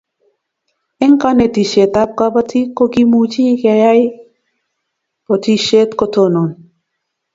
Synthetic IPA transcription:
e˦ŋka˦ne˨t̪i˨ʃe˨t̪a˦p̚ka˦ba˦t̪ʰi˦ko˦ki˦mut͡ʃi˦ka˨ja˦j | po˨t̪ʰi˦ʃe˦t̪kot̪ʰo˦no˨n

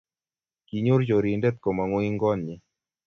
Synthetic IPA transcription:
ki˨ɲo˦ɾd͡ʒo˨ɾi˨ndɛ˦t̪̚kɔ˨ma˨ŋʊ˦i˦ŋɡɔ˦nɲɪ˦

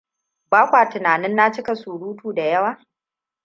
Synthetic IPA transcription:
baː˦kʷaː˨tɪ˨naː˨nɪ˦nːa˦t͡ʃɪ˦ka˨suː˨ɽuː˦tuː˨da˨jɐ˦waː˦

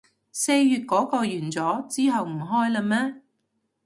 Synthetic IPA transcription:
se˧jːyː˨˧t̚kɔː˨˥kɔː˧jyː˨˩nt͡sɔː˨˥t͡siː˥ɦɐ˨wm̩˨˩ɦɔː˥jlɐ˧mɛː˥

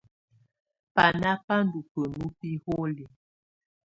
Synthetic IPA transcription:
pa˨na˦pa˦ndu˨pə˨nu˦pi˦ho˦li˨

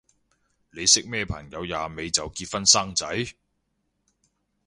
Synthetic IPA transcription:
le˨˧jsɪ˥k̚mɛː˥˩pʰɐ̰˨˩ŋjɐ˨˧wjaː˨me˨˧jt͡sɐ˨wkiː˧t̚fɐ˥nsaː˥ŋt͡sɐ˨˥j

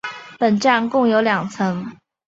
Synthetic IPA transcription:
pə˨˩nʈ͡ʂa˥˧ŋkʊ˥˩ŋjo˧˥ʊljɑ˨˩ŋt͡sʰɤ˧˥ŋ

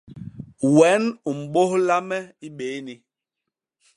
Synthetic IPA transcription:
wɛ˨˦nu˨m̩˨ɓo˦hla˦mɛ˦i˦ɓe˨˦ni˨

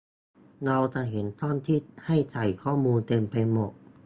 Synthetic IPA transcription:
na˧wt̪a˨˩ɦe˩˦nt̪ɔː˥˩nt̪ʰiː˥˩ha˥˩jt͡ɕa˨˩jkʰɔː˥˩muː˧nt̪e˧mpa˧jmo˨˩t̪̚

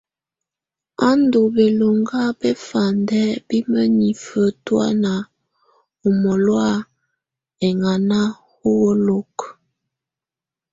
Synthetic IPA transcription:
a˦ndo˨be˨lo˨ŋɡa˦be˦fa˨ndɛ˦bi˦mə˦ni˨fə˦twa̰˦na˨ | u˨mɔ˨lwa˦˨ | ɛ˨ŋa˨na˦ | ho˦wo˦lo˦k

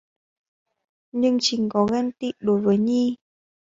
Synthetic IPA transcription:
ɲɨ˧ŋt͡ɕï˨˦ŋ̟kɔ˨˦ɣa˧nt̪ḭ˧˨ɗo˨˦jvəː˨˦jɲi˧

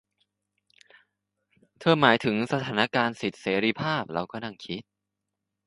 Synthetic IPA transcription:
t̪ʰɤː˧maː˩˦jt̪ʰɯ˩˦ŋsa˧t̪ʰaː˩˦na˦˥kaː˧nsi˨˩t̪̚seː˩˦ɾiː˧pʰaː˥˩p̚ɾa˧wkɔː˥˩na˥˩ŋkʰi˦˥t̪̚

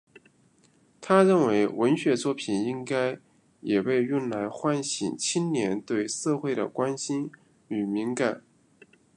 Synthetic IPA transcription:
t̪ʰa˥ɻə˥˩nwe˧˥ɪwə˧˥nɕɥɛ˧˥t͡swɔ˥˩pʰi˨˩ni˥ŋka˥ɪ | jɛ˨˩pe˥˧ɪy˥˩nla˧˥ɪxwa˥nɕi˨˩ŋt͡ɕʰi˥nnjɛ˧˥nt̪we˥˧ɪsɤ˥˧xwe˥˩ɪd̪ə̰˩kwa˥nɕi˥n | y˨˩mi˧˥ŋka˨˩˦n

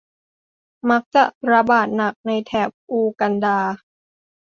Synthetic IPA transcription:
ma˦˥k̚t͡ɕa˨˩ɾa˧baː˨˩t̪̚na˨˩k̚na˧jt̪ʰɛː˨˩p̚ʔuː˧ka˧ndaː˧

